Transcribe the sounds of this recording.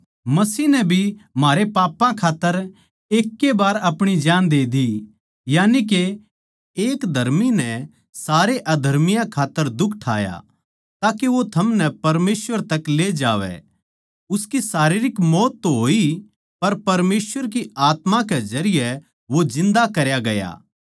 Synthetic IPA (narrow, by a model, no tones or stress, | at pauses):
mɐsiːnɛbʱim̤aːɾepaːpãkʰaːt̪ːəɾ | eːkːebaːɾɐpɽ̃id͡ʒaːnd̪eːd̪i | jaːnik̬e | eːkd̪ʱɐɾminɛ | saːɾeʔɐd̪ʱɐɾmɪjãkʰaːt̪ːəɾd̪ʊkʰʈʰa̰ːja̰ | t̪aːkeʋot̪ʰɐmnɛpɐɾmeːsʋəɾt̪ɐkleːd͡ʒaːʋɛ̰ | ʊskisaːɾiːɾɪkmɔːt̪ːɦoːi | pɐɾpɐɾmeːsʋəɾk̬iaːt̪mãkɛzɐɾɪjɛ | ʋod͡ʒɪ̃nd̪akɐɾjaɡɐja̰ː